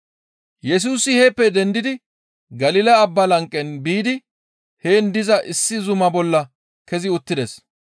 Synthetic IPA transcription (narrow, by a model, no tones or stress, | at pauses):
jɛs̬uːsɪheːpːɛd̪ɛnd̪ɪd̪ɪ | ɡɐlɪlɐɐbːɐlɐŋkʼːɛnbiːd̪ɪ | heːnd̪ɪzɐʔɪsːɪzʊmɐbɔlːɐ | kɛzɪʊt̪ːɪd̪ɛs